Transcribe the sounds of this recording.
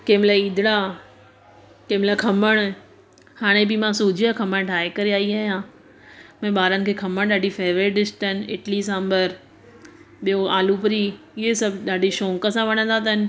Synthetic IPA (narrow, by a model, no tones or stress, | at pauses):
keːmlaiːd̪ʱɪɽ̃a | keːmlakʰɐməɽ̃ | haːɽ̃ebimãsuːd͡ʑʱiakʰɐməɽ̃ʈʰaːekɐɾiaːiaːɦijã | mɐ̃ɓaːɾənɪ̆kʰeːkʰɐməɽ̃ɗaːɖʱifeːʋɾeɖɪsʈənɪ̰ʈlis̬ãːmbəɾ | ɓijoaːlupɾi | ɪɦesɐbɗaːɖʱiʃõːŋkəsãʋɐɽ̃ə̃nd̪at̪ɐɪnɪ̆